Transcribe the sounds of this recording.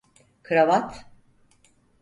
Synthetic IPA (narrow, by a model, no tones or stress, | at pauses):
kʰɨɾavat̪